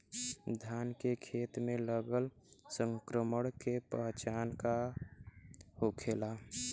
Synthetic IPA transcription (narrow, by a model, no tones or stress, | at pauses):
d̪ʱjaːnkekʰeːt̪mẽləɡəlsəŋkɾəməɽ̃kepəɦt͡ʃaːnka | hokʰeːla